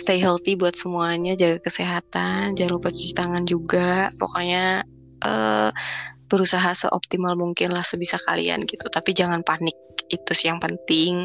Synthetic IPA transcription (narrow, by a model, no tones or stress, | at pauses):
st̪ajɦəlt̪ibuat̪̚səmuaɲad͡ʒaɡakəseɦat̪and͡ʒalupat͡ʃi̥t̪aŋand͡ʒuɡapo̰koɲa | ʔə̰ | b̥əɾusaɦasə̰ʔop̚t̪imalmuŋkɪnlahsəbisaka̰lḭa̰nɡit̪ut̪apid͡ʒaŋanpanɪk̚it̪usijaŋpənt̪ɪŋ